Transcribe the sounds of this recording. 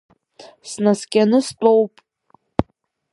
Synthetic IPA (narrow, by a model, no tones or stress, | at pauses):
snɐskʲɛnʊstʼowpʼ